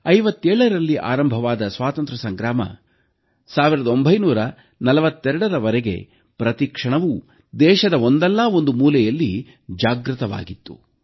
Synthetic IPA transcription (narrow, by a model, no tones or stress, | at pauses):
ɐjʋɐt̪ːɛːɭɐɾɐlːiʔa̰ːɾɐmbʱɐʋaːd̪ɐsʋaːt̪ɐnt̪ɾɐsɐŋɡɾaːmɐ̰ | saːʋiɾɐd̪o̞mbʱɐjnuːɾɐ | nɐlɐʋɐt̪ːɛɾɐɽɐɾɐʋɐɾɛɡe̞̰ | pɾɐt̪ikʂɐɳɐʋu | d̪ɛːʃɐd̪ɐo̞nd̪ɛlːao̞nd̪umuːlɛjɐlːi | d͡ʒaːɡɾɨt̪ɐʋa̰ːɡit̪ːṵ